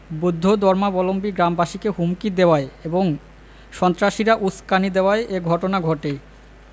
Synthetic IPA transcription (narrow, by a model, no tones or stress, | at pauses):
bud̪ʱːod̪ɔɾmabɔlombiɡɾambaʃikeɦumkid̪ewaeeboŋ | ʃɔnt̪ɾaʃiɾaʔuskanid̪eoaeʔeɡʱɔʈonaɡʱɔʈe